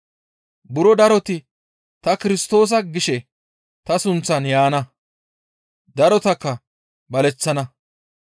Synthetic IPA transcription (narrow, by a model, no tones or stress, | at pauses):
bʊɾɔd̪ɐɾɔt̪ɪ | t̪ɐkɪɾɪst̪o̞ːs̬ɐɡɪʃɛ | t̪ɐsʊnt͡sːɐnjaːnɐ | d̪ɐɾɔt̪ɐkːɐ | bɐlɛt͡sːɐnɐ